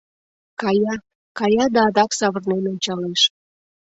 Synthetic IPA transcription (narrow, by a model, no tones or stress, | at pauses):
kɑjɑ | kɑjɑd̪ɑːd̪ɑksɑβərnenonʲt͡ɕɑleʃ